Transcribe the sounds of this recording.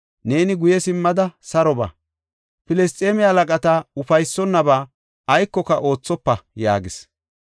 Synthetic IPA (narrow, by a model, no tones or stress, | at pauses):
ne̞ːnɪɡʊjɛsɪmːɐd̪ɐsɐɾɔba̰ː | pɪlɛst̪ʼːeːmɪalɐkʼɐt̪aʊfɐjsːɔnːɐbaː | ɐjkːɔkɐʔo̞ːt͡sːɔpːɐja̰ːɡɪs